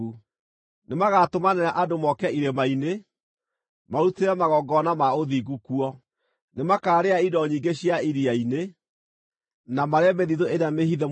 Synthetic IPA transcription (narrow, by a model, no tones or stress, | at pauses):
u | nemaɣatomanɛɾaʔadomɔkɛiɾemaine | maɾuteɾɛmaɣɔɡɔnamaoðiɡukuɔ | nemakaːɾeaidɔɲiːŋɡeɕjaiɾiaine | namaɾeameðiðoeɾamehiðɛ